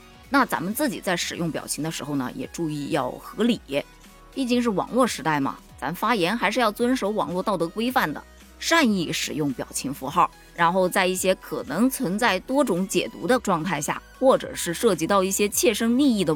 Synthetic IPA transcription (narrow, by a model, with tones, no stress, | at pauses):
na˥˩t͡sa˧˥mə˧nt͡sɹ̩˥˩t͡ɕḭ˨˩t͡sa˥˩ɪʂɻ̩˨˩jʊ˥˩ŋpjɑ̰˨˩ʊt͡ɕʰi˧˥ŋd̪ə˧ʂɻ̩˧˥xo˥˧ʊnə̰˩jɛ̰˨˩ʈ͡ʂu˥˧i˥˧jɑ˥˩ʊxɤ˧˥li˨˩˥ | pi˥˩t͡ɕi˥˧ŋʂ̬ɻ̩˥˩wɑ̰˨˩ŋlwɔ˥˩ʂɻ̩˧˥t̪a˥˩ɪmɐ̰˩ | t͡sa˧˥mə˧fa˥jɛ˧˥nxa˧˥ɪʂɻ̩˥˧jɑ˥˩ʊt͡swə˥nʂo˧˥ʊwɑ̰˨˩ŋlwɔ˥˧t̪ɑ˥˩ʊɤ˧˥kwe˥ɪfa˥˩nd̪ə̰˩ | ʂa˥˧ni˥˩ʂɻ̩˨˩jʊ˥˩ŋpjɑ˨˩ʊt͡ɕʰi˧˥ŋfu˧˥xɑ˥˩ʊ | ɻa˧˥nxo˥˧ʊt͡sa˥˧ɪi˥˩ɕjɛ˥kʰɤ̰˨˩nɤ˧˥ŋt͡sʰwə˧˥nt͡sa˥˩ɪt̪wɔ˥ʈ͡ʂʊ˧˥ŋt͡ɕjɛ̰˨˩t̪ṵ˧˥d̪ə˧ʈ͡ʂwɑ˥˧ŋt̪ʰa˥˧ɪɕja̰˥˩xwɔ˥˩ʈ͡ʂɤ̰˨˩ʂɻ̩˥˧ʂɤ˥˩t͡ɕi˧˥t̪ɑ˥˧ʊi˥˩ɕjɛ˥t͡ɕʰjɛ˥˧ʂɤ˥ŋli˥˧i˥˩d̪ə˩